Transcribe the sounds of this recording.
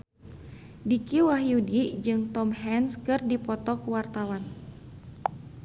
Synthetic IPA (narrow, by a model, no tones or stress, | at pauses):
dikiwaɦjudid͡ʒɨŋt̪ɔmhɛnskɨrdipɔt̪ɔkuwart̪awan